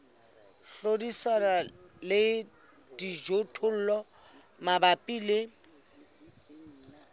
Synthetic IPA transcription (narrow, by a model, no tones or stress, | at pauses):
ɬodisaɾalɪ | did͡ʒotʰʊl̩ːlɔ | mabapʼiːle